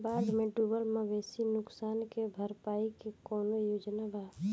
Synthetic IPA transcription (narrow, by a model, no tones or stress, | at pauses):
baːd̪mẽɖubəlməʋeːsinʊksaːnkebʱəɾpaːikekɔːnojoːd͡ʒnabʱaː